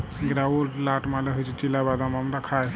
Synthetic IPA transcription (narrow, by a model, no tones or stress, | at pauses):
ɡɾawolʈlaʈmaleɦojt͡ʃʰit͡ʃilabad̪amamɾakʰaj